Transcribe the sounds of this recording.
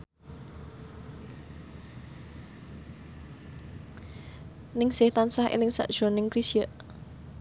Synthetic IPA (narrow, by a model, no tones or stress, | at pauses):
nɪŋsɪht̪ansahʔḛlɪŋsa̰ʔd̥ʒ̥o̤nɪŋkɾisiəʔ